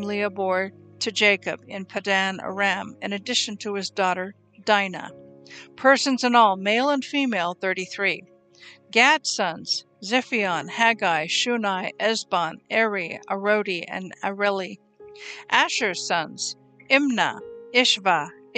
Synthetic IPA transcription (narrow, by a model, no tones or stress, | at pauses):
mliəbɔɹd̚tʰɨd͡ʒeɪkɨbɨ̃npʰɨdæ̃nə̰ɹæ̃mɨ̰̃nɨdɪʃɨ̃n̩tʰəɨzdɔɾə˞ | d̥ãɪnə̰pʰɜ˞sɨ̃nzə̃nɔlˠmeɪlˠə̃nfimeɪlˠθɜ˞ɾiθɹi | ɡæd̥sʌ̃nz̥ | zɪfiɑ̃nhæɡaɪʃʉnaɪʔɛzbɑ̃nɛɹiəɹoʊɾiɨ̰̃nɨɹɛlˠi | ʔæʃə˞sʌ̃nz̥ | ɪ̃mnə̰ɪʃvə